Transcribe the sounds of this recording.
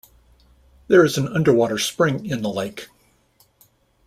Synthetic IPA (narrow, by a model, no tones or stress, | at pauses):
ðə˞ɨzn̩ʌ̃ndə˞wɔɾə˞spɹɪ̃ŋɪ̃nðəleɪk